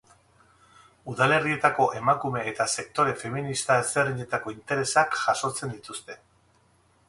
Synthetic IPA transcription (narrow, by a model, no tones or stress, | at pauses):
uðale̞rie̞t̪ako̞ʔe̞makume̞ːt̪ase̞kt̪o̞ɾe̞fe̞minist̪aezeriɲe̞t̪ako̞int̪e̞ɾe̞sakʝaso̞t͡se̞nd̪it̪ust̪e̞